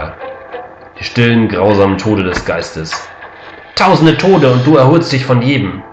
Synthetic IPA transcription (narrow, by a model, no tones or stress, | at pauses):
d̥iːʃtɪlənɡʁaʊzaːmən̩tʰoːtədɛsɡ̥aɪstəs | tʰaʊzn̩dətʰoːtəʊnt̚d̥uːɛɐɦoːlstd̥ɪçfɔnjeːdm̩